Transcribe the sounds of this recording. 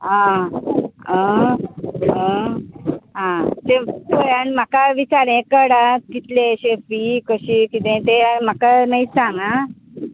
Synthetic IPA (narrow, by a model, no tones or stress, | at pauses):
ɦã | ə̃ | ə | ɦãt̪et̪ojanm̤akaʋit͡ɕaɾẽkəɽakit̪leɕefikəɕiːkit̪ẽt̪em̤akanaisãŋɡa